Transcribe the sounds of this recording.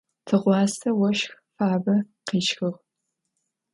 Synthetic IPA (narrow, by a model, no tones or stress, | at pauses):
tʰɨʁʷɑːsʰɐwɐʃxfaːbɐ | qiːt͡ʃxɨʁ